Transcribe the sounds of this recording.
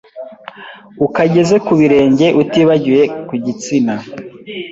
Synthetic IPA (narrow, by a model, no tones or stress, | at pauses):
ukaɟe̞ze̞kuβiɾe̞ːɲɟe̞ʔutiβaɟije̞kuɟit͡sina